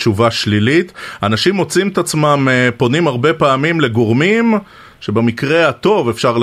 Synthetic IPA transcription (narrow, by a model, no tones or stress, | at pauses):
t͡ʃuvaʃlilit̪anaʃimo̞t͡simet̪at͡smampo̞nimaʁbe̞paːmimle̞ɡo̞ʁmim | ʃe̞bemikʁe̞hat̪o̞ve̞fʃaʁl